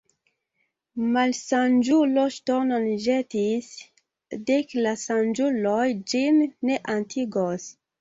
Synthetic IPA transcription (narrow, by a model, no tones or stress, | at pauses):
malsand͡ʒuloʃtononʒetis | deklasand͡ʒulojd͡ʒinːeʔantʰiɡos